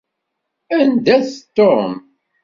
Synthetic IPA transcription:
ænd̪æθt̪ːom

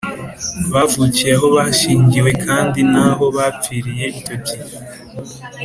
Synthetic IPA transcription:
βavucijaɦo̞βaʃiːɲɟiwe̞kʰaːndinaːɦo̞βap͡fiɾije̞iobji

